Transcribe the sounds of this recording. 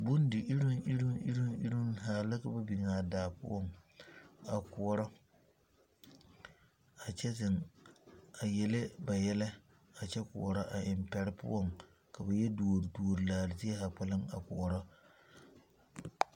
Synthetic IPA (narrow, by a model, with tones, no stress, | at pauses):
bʊ˦n˦dɪ˨ʔɪ˦ɾɪ˦ŋʔɪ˦ɾɪ˦ɪ˦ɾɪ˦ʔɪ̰˦ɾɪ˦m˦ɦaː˨la˦ka˨ba˦bi˨naː˨daː˨pʊ̰˦ɔ˦ŋ | a˨kʊ˨ɔ˨ɾɔ˦ | a˨t͡ʃɛ˦zɪ˨ŋ | a˨jɛ˨lɪ˦ba˨jɛ˦lɛ˦ | a˨t͡ʃɛ˦kʊ̰˨ɔ˨ɾa˦ʔa˨ʔɪ˨mpɛ˨ɾɪ˦pʊ̰˦ʔɔ˦˨ŋ | ka˨ba˨jɛ˦du˨ɾdu˨o˨ɾlaː˨lɪ˨zɪ˦ɛ˦ha˨k͡pɛ˦lɪ˦ŋa̰˨kʊ˨ɔ˨ɾɔ˦